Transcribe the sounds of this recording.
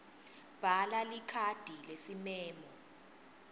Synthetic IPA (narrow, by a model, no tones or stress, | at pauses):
b̥ʱalalikʰad̥ʱilesimɛːmɔ